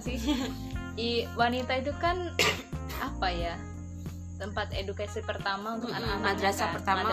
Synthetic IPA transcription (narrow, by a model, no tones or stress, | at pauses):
sɪ | iwanit̪ait̪̬ukan | apaja | t̪əmpat̪edukasipərt̪amaunt̪ʊkanakanaad̪ɾasapərt̪aama